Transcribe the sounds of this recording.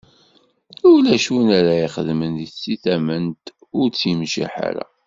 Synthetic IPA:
ulæʃunæɾæiχəðmənit͡sːiθæmənt̪ | ʊɾt͡sːimʃḭħa̰ɾæ̰

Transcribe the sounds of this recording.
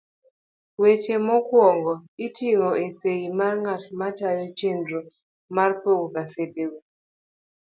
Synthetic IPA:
wet͡ʃemɔkwɔŋɡɔitiŋɔesejimarŋatmatajɔt͡ʃendo | marpokukasedeko

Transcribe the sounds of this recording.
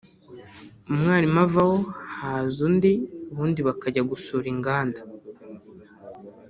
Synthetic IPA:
umŋaːnimavaho̞hazundiuβuːndiβakaɟaɡusuːɾiŋɡaːnda

